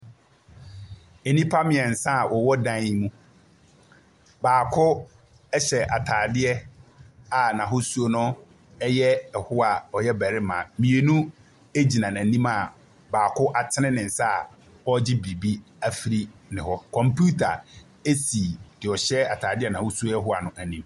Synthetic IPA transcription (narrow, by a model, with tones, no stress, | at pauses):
e˨nĩ˦pʰa˦mɪ̃˨ɛ˨n̩˨sã˦˨wʔɔ˨wɔ˦dã˦n˦mũ˦ | baː˨kʰʊ˦ | ɛ˦ɕɛ˨ʔa˨tʰaː˨dɪ˦ɛ˦ | a˨nã˨ɦʊ˦su˦o˦nʊ̃˦ | ɛ˦jɛ˦ɛ˨hʊ˦a˨ɔ˨jɛ˦bæ˨ɾɪ˦mã˨mĩ˨e˨nũ˦ | e˦d͡ʑi˨nã˨næ̃˨nĩ˦ma˨ | baː˨kʰʊ˦ʔa˨tʰɪ˦ɪ̃˦nɪ̃˨n̩˨sa˦a̰˨ | ɔ˦d͡ʑɪ˦bɾi˨bi˦ | æ˦fi˨ɾi˦nɪ̃˨hɔ˦kʰɔ̃˨mpʰu˦tʰa̰˨ | e˦si˨d̥ɪ˨ɔ˨ɕɛ˦a˨tʰaː˨dɪ˦ɛ˦nã˨hʊ˦su˦o˦ɛ˦ɦʊ˦a˨nʊ̃˦ʔæ˨nĩ˦m